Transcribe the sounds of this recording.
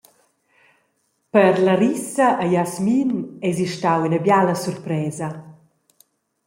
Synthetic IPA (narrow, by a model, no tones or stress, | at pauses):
pəɾlaɾisɐʔːjasminɛziʃtawinabjaləsurpɾɛːzɐ